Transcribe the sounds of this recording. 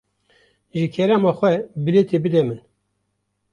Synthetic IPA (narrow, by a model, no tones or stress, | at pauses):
ʒɨkʰɛɾɑmɑːxʷɛbɨlet̪ebɨd̪ɛmɨn